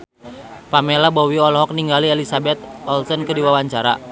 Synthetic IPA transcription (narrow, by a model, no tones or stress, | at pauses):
pamelabɔwiɔlɔɦɔk̚niŋɡalielisabɛt̪̚ɔlsɔnkədiwawaɲt͡ʃaɾa̰